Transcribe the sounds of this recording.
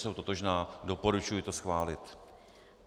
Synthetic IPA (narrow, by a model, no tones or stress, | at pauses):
sowt̪ot̪oʒnaːdo̞po̞ɾut͡ʃujɪt̪osxvaːlɪt̪